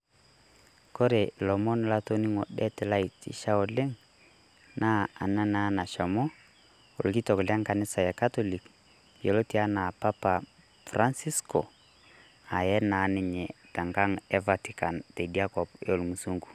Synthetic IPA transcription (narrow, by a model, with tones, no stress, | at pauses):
ko˦ɾe˨lɔ˨mɔ˦nla˦to˦ni˦ŋɔ̰˨ɗɛ˦tla˦i˨tḭ˦ʃa˦o˨le˦ŋ | na˦a̰˨na˦na˦na˨ʃa˨mɔ˦ | o̰˨lki˦tɔ˨kla˦ŋka˨nɪ˦sa˨ɛ˨ka˦tɔ˦li˨k | jo˨lo˦ti˨a˦na˨pa˦pa˨ | fra˦nsi˦skɔ̰˨ | a˨jɛ˦na˨˦nɪ˦ɲɛ˨ta˨ŋɡa˦ŋɛ˦va˦ti˦ka˨nte˨dia˦kɔ˨po˨lmu˨su˦ŋɡu̥˨